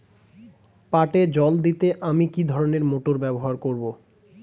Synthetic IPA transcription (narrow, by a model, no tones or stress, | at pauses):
paʈed͡ʑɔld̪it̪eʔamikid̪ʱɔɾoneɾmoʈoɾbɛboɦaɾkoɾbo